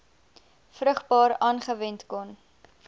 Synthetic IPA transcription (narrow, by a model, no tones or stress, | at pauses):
frəχbɑːɾɑːnχəvɛntkɔn